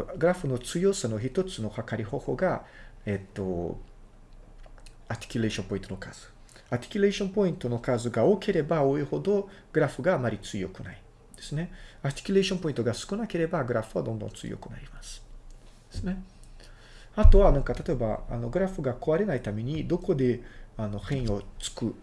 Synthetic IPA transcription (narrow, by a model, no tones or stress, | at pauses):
ɡɯ̟ɾaɸɯno̞t͡sɨjosano̞çit̪o̞t͡sɨno̞hakaɾʲiho̞ːho̞ːɡae̞t̪ːo̞̰ | at̪ʲi̥kʲyle̞ːɕompo̞ĩt̪onokaːz̥ɨ̥ | at̪ʲi̥kʲyɾe̞ːɕõ̞mpo̞ĩnt̪o̞no̞kaːzɨɡaoke̞ɾe̞baoːiho̞d̪o̞ | ɡ̥ɯ̟ɾaɸɯ̟ɡaːmaɾʲit͡sɨjo̞̰kɯ̟nai | d̪̥e̞sɨne̞at̪ʲi̥kʲyɾe̞ːɕõmpo̞ĩnt̪o̞ɡasɨ̥kɯ̟nake̞ɾe̞baɡɯ̟ɾaɸɯ̟βad̪õ̞nd̪õ̞ñt͡sɨ̰ḭjo̰kɯ̟na̰ɾʲimasɨ̥ | d̪̥esɨne̞ | at̪o̞βanãŋkat̪at̪o̞e̞ba̰a̰no̞ɡɯ̟ɾaɸɯ̟ɡako̞βaɾe̞nait̪ame̞ɲ̟id̪o̞ko̞d̪e̞ano̞hẽ̞ɰ̃o̞t͡sɨ̥kɯ̟